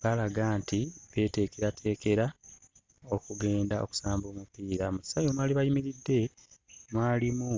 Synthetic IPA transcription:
βalaɡaːntiβe̞ːte̞ːkeɾatʰe̞ːke̞ɾa | okuɡe̞ːndao̞̰ku̥saːmbo̞ːmupiːɾamu̥sajomwaːliβajimiɾidːe̞mwaːlimu

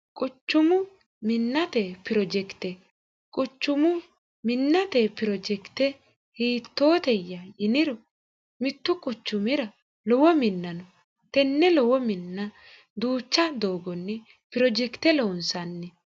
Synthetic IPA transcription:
kʼʊt͡ʃːʊmʊ | mɪnːɐt̪epɪɾɔd͡ʒɛkt̪ɛ | kʼʊt͡ʃːʊmʊ | mɪnːɐt̪epɪɾɔd͡ʒɛkt̪ɛ | hiːt̪ːoːt̪ɛjːɐjɪnɪɾɔ | mɪt̪ːʊkʼʊt͡ʃːʊmɪɾɐ | lɔwɔmɪnːɐnɔ | t̪ɛnːɛlɔwɔmɪnːɐ | d̪uːt͡ʃːɐd̪oːɡɔnːɛ | pɪɾɔd͡ʒɛkt̪ɛloːnsɐnːɛ

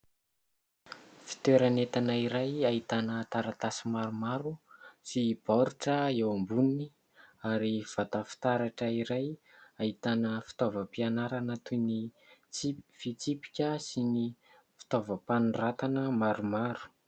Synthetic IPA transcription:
fi̥t̪eɾanet̪anaiɾajait̪anət̪aɾat̪asimaɾumaɾusib̥aɾuʈ͡ʂəewambunini | aɾiv̥at̪afi̥t̪aɾaʈ͡ʂəiɾajait̪anəfi̥t̪ovəpianaɾanat̪uni | ifit͡sipi̥kʲəsini | fi̥t̪ovəpanrat̪anəmaɾumaɾu̥

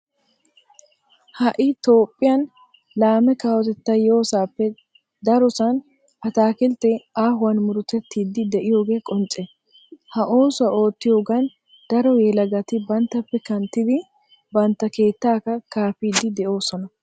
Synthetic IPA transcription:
hɐʔɪt̪o̞ːpʼːɪjɐn | laːmɛkaːwɔt̪ɛt̪ːɐjo̞ːsaːpːɛ | d̪ɐɾɔsɐn | ʔɐt̪aːkɪlt̪ːɛaːɦʊwɐnmʊɾʊt̪ɛt̪ːiːd̪ːɪd̪ɛʔɪjo̞ːɡe̞ːkʼɔnt͡ʃʼːɛ | hɐʔo̞ːsʊɐʔo̞ːt̪ːɪjo̞ːɡɐn | d̪̥ɐɾɔjɛlɐɡɐt̪ɪbɐnt̪ːɐpːɛkɐnt̪ːɪd̪ɪ | bɐnt̪ːɐke̞ːt̪ːaːkɐkaːfiːd̪ːɪd̪ɛʔo̞ːsɔnɐ

